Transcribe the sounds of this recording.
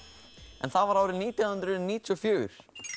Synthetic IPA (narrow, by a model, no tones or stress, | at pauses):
ɛ̰nθavaɾawɾɪðniːt̪awhɨnd̪ɾʏðɛnːiːt̪ɔfjuːɾ̥